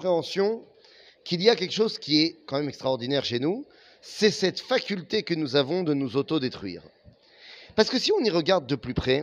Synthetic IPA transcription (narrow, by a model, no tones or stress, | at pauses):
pχeɑ̃sjɔ̃ | kilijakʲɛlkəʃozkʲiɛkɑ̃mɛmɛkst̪χaɔʁd̪inɛʁʃenu | sɛsɛt̪fakʲylt̪ekənuzavɔ̃d̪ənuzot̪od̪et̪χɥḭːʁ | paʁsə̥kəsiɔ̃niʁəɡaʁd̪̚ːəplypχɛ